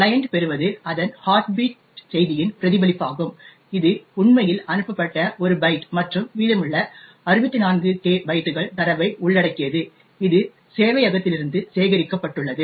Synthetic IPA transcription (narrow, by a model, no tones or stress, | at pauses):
lɐjɐɳɖpɛɾɯʋɐðɯɐðɐnhaːɾʈbiːʈ | sɛjðɪjɪnpɪɾɐðɪbɐlɪpːaːɣɯm | ɪðɯʊɳmɐjɪlɐnɯpːɐpːɐʈːɐʔɔɾɯbɐɪʈmɐʈrɯmʋiːɽɐmɯɭːɐ | ɐɾɯʋɐt̪ːinaːnɡɯʈeːbɐɪʈ̪ːɯɣɐɭt̪ɐɾɐʋɐɪʔʊɭːɐɽɐkːɪjɐðɯ | ɪðɯ | seːʋɐɪɐɣɐt̪ːɪlɪɾɯnd̪ɯseːɣɐɾɪkːɐpːɐʈːɯɭːɐðɯ